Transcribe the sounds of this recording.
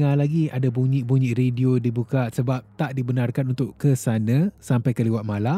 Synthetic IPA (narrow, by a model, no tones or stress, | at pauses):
ŋalaɡiadabuɲĩʔbuɲĩʔrediodibukaʔsəbap̚t̪aʔdibənarkanunt̪ʊʔkəsanãsampajkəliwat̪̚mala